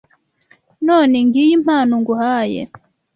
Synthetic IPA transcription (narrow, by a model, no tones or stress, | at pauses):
noːneŋɡijim̥haːnoŋɡuhaːjḛ